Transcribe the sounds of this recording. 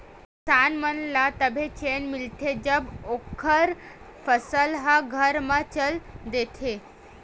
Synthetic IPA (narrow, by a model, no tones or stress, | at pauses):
sanmənlat̪əbʱet͡ɕenmilʈ̪ʰed͡ʑəbokʰəɾ | fəsəlɦaɡʱəɾmət͡ɕəld̪et̪ʰe